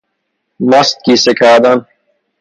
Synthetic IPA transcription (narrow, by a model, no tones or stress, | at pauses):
mɐst̪̚kiːsekʰaːd̪ɐn